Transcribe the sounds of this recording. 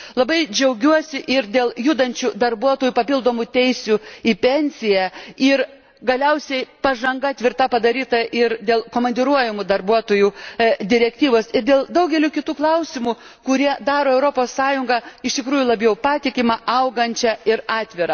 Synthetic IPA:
lˠɐbɐɪd͡ʒʲɛʊɡʲuɔsʲɪʔɪrd̪ʲeːlˠjud̪ɐnʲt͡ʃʲud̪ɐrbuɔt̪oːjuːpɐpʲɪlˠd̪oːmʊt̪ʲɛɪsʲuipʲɛnʲsʲɪjɛɪɾ | ɡɐlʲɛʊsʲɛɪpɐʒɐŋɡɐt̪ʲʋʲɪrt̪ɐpɐd̪ɐɾʲiːt̪ɐʔɪɾd̪ʲeːlˠkoːmɐnʲd̪ʲɪɾuɔjʲɪmʊd̪ɐrbuɔt̪oːjud̪ʲɪɾʲɛkt̪ʲiːʋoːsɪɾd̪ʲeːlˠd̪ɐʊɡʲɛlʲuːkʲɪt̪uːklˠɐʊsʲɪmu | kʊɾʲiɛd̪ɑːɾoːɛʊɾoːpoːssɑːjʊŋɡɐɪʃt̪ʲɪkɾuːjulˠɐbʲjɛʊpɑːt̪ʲɪkʲɪmɑɐʊɡɐnʲt͡ʃʲɛɪɾɑːt̪ʲʋʲɪɾɐ

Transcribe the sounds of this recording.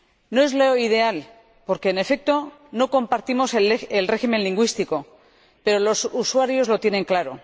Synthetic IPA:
no̞e̞zloið̞e̞al | po̞ɾke̞ːne̞fe̞k̚t̪o̞ | no̞ko̞mpaɾt̪imo̞seelre̞xime̞nliŋɡwist̪iko̞ | pe̞ɾo̞lo̞suswaɾjo̞zlo̞t̪je̞nẽ̞ŋklaɾo̰

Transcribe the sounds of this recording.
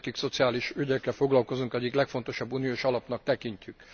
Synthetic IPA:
kikso̞t̪siaːliʃyɟɛkːɛlfo̞ɡlɒlko̞zuŋkɛɟːiklɛkfo̞nt̪o̞ʃɒbːuːnioːʃɒlɒpnɒk̚t̪ɛkiɲcyk

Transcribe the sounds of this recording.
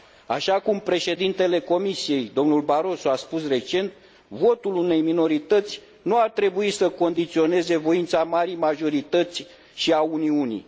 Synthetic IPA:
aʃakumpɾe̞ʃe̞d̪int̪e̞le̞ko̞misije̞jd̪o̞mnulbaɾo̞soaspusre̞t͡ʃe̞nt̪ | vo̞t̪ulune̞jmino̞ɾit̪ət̪sʲ | nuart̪ɾe̞buisəko̞nd̪it̪sio̞ne̞ze̞vo̞int̪samaɾijmaʒo̞ɾit̪ət̪sʲ | ʃiauniunḭj

